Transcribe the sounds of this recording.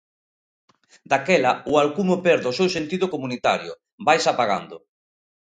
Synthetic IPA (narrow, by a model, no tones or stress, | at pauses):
d̪akɛlɐʊalkumopɛɾðosewsent̪iðʊkomunit̪a̰ɾjʊ̰ | bajsapaɣa̰nd̪ʊ